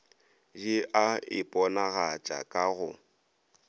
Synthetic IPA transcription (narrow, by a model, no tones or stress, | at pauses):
d͡ʒɪʔaɪpʼɔnaɣat͡ʃʼa̰kʼaɣʊ